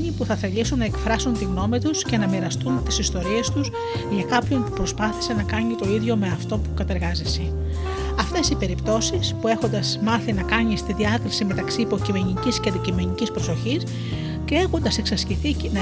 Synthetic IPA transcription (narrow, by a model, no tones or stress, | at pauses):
ɲipuθɐθe̞ʎisunːɐe̞kfɾɐsunt̪iɣno̞mit̪usce̞nɐmiɾɐst̪unt̪isist̪o̞ɾie̞st̪us | ʝɐkɐpço̞npupɾo̞spɐθi̥se̞nɐkɐɲit̪o̞iðʝo̞me̞ɐft̪o̞pukɐt̪e̞ɾɣɐzese | ɐft̪e̞sipe̞ɾipt̪o̞sispue̞xo̞nd̪ɐzmɐθinɐkɐɲist̪iðiɐkɾisime̞t̪ɐksiːpo̞cime̞ɲicisceɐnd̪icime̞ɲicispɾo̞so̞çis | ce̞exund̪ɐse̞ksɐsciθin